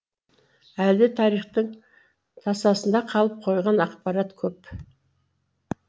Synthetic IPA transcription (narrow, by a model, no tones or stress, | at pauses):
æld̪ɪt̪ʰɑɾijχt̪əɴ | t̪ʰɑsɑsənd̪ɑqʰɑlˠəp̚qʰo̞jʁɑnɑqpɑɾɑt̪kʲʰɵp